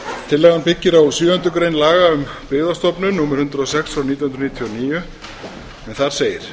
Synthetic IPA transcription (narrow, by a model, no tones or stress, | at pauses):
t̪ʰɪlːɛɣanpɪcːɪɾawsyːhœʏnt̪ʏkɾejnlaːɣaʏmpɪːɣðast̪ɔpnʏnuːmɛɾ̥hʏnt̪ɾʏɔsɛksɔnit̪jnh̪nɾnit̪ʰjɔɔniːjʏ | ɛnθaɾ̥seːjɪɾ̥